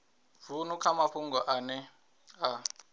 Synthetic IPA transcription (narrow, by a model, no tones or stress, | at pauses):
vunukʰamaɸuŋɡɔʔanɛ | a